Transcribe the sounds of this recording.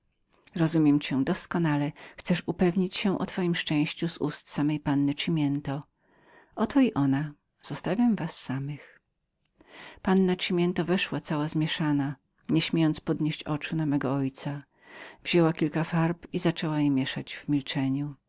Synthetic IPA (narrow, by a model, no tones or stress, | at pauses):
ɾɔzumʲjɛmt͡ɕɛd̪ɔskɔnalɛxt̪sɛʂupɛvɲit͡ɕɕɛ̃ʔɔ̰t̪fɔjimʂt͡ʂɛ̃w̃ɕt͡ɕuzṵst̪samɛjpanːɘt͡ʂimʲjɛnt̪ɔ | ʔɔt̪ʰɔiʔɔna | z̥ɔst̪avʲamvasːamɘx | panːat͡ʂimʲjɛnt̪ɔvɛʂwat̪sawazmʲjɛʂana | ɲɛɕmʲjejɔnt̪spɔd̪ɲeɕt͡ɕɔt͡ʂunamɛɡɔɔjt̪sa | vʑ̥ɛwakʲilkafaɾpizat͡ʂɛwajɛmʲjɛʂad͡ʑvmʲilt͡ʂɛɲu